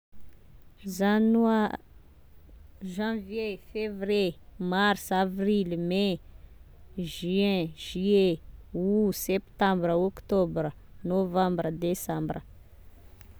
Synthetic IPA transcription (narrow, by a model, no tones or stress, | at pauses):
zana | ʒãvjefevremarsavrilme | ʒyɛ̃ʒ̥yeusɛpt̪ãmbɾəɔkt̪ɔbɾə | novãmbɾəd̪esãmbrə